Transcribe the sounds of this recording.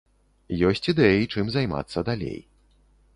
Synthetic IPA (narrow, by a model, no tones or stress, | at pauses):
jɔsʲt͡sʲid̪ɛjit͡ʂɨmzajma̰t̪sːɐd̪alʲḛj